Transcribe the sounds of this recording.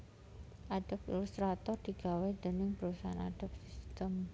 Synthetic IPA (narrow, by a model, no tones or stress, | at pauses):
ʔad̥a̤p̚ḭlust̪ɾat̪ɔrd̪̥i̤ɡ̥a̤wɛd̪̥ə̤nɪŋbəɾusaɦana̰d̥ap̚si̥st̪əm